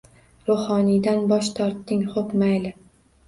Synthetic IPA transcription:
ɾohɒnid̪anbɒʃt̪ʰɒɾt̪ːɪŋχopmajlɪ

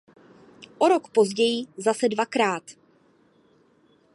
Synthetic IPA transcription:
ʔoɾo̞kpo̞zɟɛjɪzasɛdvakɾaːt̪

